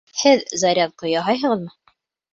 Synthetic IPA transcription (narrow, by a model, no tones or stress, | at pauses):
hɘðzɑɾʲɑðqŏjɑɦɑjɦɤ̆ʁɤ̆ðmɤ